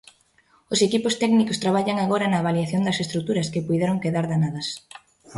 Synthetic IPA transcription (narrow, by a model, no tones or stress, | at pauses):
ʊsekipʊst̪ɛknikʊst̪ɾaβ̞aʎɐŋaɣoɾɐnɐːβaljaθjond̪ɐsest̪ɾukt̪uɾɐskepujðɛɾoŋkeðaɾðanaðɐs